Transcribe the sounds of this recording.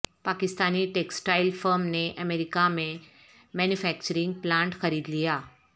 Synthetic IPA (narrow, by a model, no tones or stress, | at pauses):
pakist̪aniːʈeksʈailfəɾmneʔəmeɾikamẽ | mɛnjufɛk̚t͡ɕəɾiŋɡ̚plãɳʈxəɾiːd̪lija